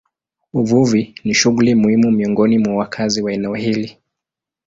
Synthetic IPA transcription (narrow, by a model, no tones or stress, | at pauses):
uvuviniʃuɣulimuhimumiɔŋɡɔnimwawakʰaziwaɛnɛɔhili